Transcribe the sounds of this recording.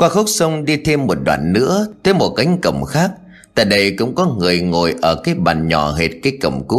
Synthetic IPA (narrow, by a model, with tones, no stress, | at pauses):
kwaː˧xə˦˥wk͡p̚sə˧wŋ͡mɗi˧t̪ʰe˧mːo˨˩t̚ɗwa̰ː˧˨nːɨ̰˧˥ət̪ʰəː˨˦jmo˨˩t̚ka˨˦jŋ̟kə̰˧˩wŋ͡mxaː˦˥k̚ | t̪a̰ː˧˨jɗə˧jkʊ̰˧˥ŋ͡mkɔ˨˦ŋɨ˨˩əjŋo˨˩jʔəː˧˩kaː˨˦jɓa̰ː˧˩nɲɔ̰˧˩ɦe˨˩t̚kaː˨˦jkə̰˧˩wŋ͡mku˦˥